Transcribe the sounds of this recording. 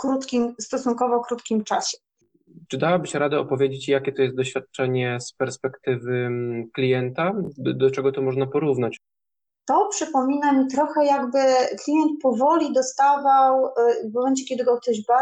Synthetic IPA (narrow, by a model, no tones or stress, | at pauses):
kɾut̪kʲimst̪ɔsunŋkɔvɔkɾut̪kʲimt͡ʂaɕɛ | t͡ʂɘd̪awabɘɕɛɾad̪ɛɔpɔvʲjed͡ʑet͡ɕjakʲɛt̪ɔjɛst̪̚d̪ɔɕfʲjat̪̚t͡ʂɛɲɛspɛɾspɛkt̪ɘvɘklʲijɛnt̪ad̪ɔt͡ʂɛɡɔt̪ɔmɔʐnapɔɾuvnat͡ɕ | t̪ɔpʂɘpɔmʲinamʲit̪ɾɔxɛjaɡbɘklʲijɛnt̪̚pɔvɔlʲid̪ɔst̪avawvmɔmɛnt͡ɕɛkʲɛd̪ɘɡɔk̚t̪ɔʑba